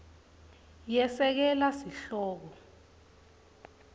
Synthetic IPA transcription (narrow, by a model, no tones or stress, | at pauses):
jɛsɛk̬ɛlasiɬɔːk̬ɔ